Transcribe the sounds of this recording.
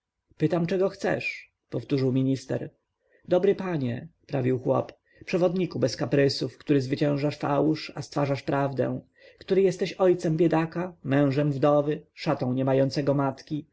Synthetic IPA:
pɘt̪amt͡ʂɛɡɔxt̪sɛ̰ʂ | pɔft̪uʐɘwmʲiɲist̪ɛ̰ɾ | d̪ɔbɾɘpaɲɛ̰pɾavʲiwxwɔ̰p | pʂɛvɔd̪ɲikubɛskapɾɘsufkt̪uɾɘzvɘt͡ɕɛ̃w̃ʐaʂfawuʂast̪faʐaʂpɾʔavd̪ɛ̰̃ | kt̪uɾɘjɛst̪ɛɕɔjt̪sɛmbʲjɛd̪akamɛ̃w̃ʐɛmvd̪ɔvɘʂat̪ɔ̃w̃ɲɛmajɔnt̪sɛɡɔmat̪kʲi

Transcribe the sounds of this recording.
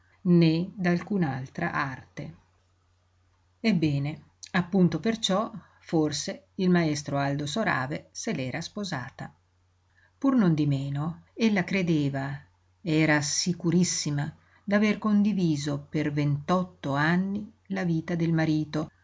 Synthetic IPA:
ned̪alkuːnaalt̪ɾa̰ʔart̪e | ebːɛːne | apːunt̪opert͡ʃɔ | forseilmaɛst̪ɾoald̪osoɾa̰ːveselɛːɾaspozaːt̪a | purnond̪imeːnoelːakɾed̪eːva | eɛːɾasikuɾisːima | d̪averkond̪iviːzopervent̪ɔt̪ːoanːi | laviːt̪ad̪elmaɾiːt̪o

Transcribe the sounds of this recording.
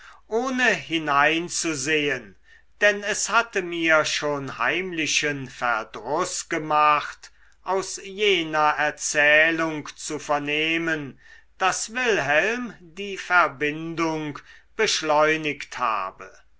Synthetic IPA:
ʔoːnəɦɪnaɪnt͡suzeːən | d̥ɛnɛshatəmiːɐʃoːnha̰ɪmlɪʃənfɛɐdʁʊsɡ̥əmaχt | ʔaʊsjeːnɐɛɐt͡sɛːlʊŋkt͡sufɛɐneːmən | d̥asvɪlɦɛlmdiːfɛɐbɪndʊŋkb̥əʃlɔʏnɪktha̰ːbə

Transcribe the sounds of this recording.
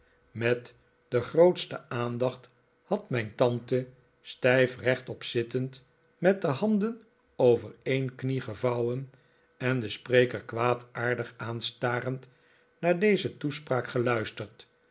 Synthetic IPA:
mɛt | dəχrowtstə̰ʔaːndɑχt | hɑtmɛjntɑntə | stɛjfrɛχtɔpsɪtənt | mɛt̚dəɦɑndən | owvərejnkniχəvɑwən | ɛnd̪əsprejkəɹkʋaːtaːɹdəχaːnstaːrənt | naːɹdejzətuspraːkχəlœɥstəɹt

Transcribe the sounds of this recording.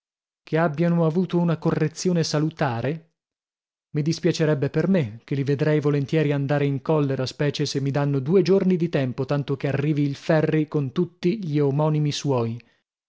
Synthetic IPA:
kʰeabːjanoavuːt̪ounakorːet̪sːjoːnesalut̪aːɾe | mid̪ispjat͡ʃeɾɛbːepermek̟ːelived̪ɾɛjvolent̪jɛːɾiand̪aːɾeiŋkɔlːeɾaspɛːt͡ʃesemːid̪anːod̪uːed͡ʒornid̪it̪ɛmpot̪ant̪okearːiːviːlfɛrːikont̪ut̪ːiʎiomɔːnimiswɔːji

